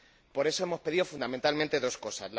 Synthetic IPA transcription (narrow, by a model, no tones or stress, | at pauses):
po̞ɾe̞so̞emo̞spe̞ð̞iðo̞fund̪ament̪almẽnt̪e̞ðo̞sko̞sazla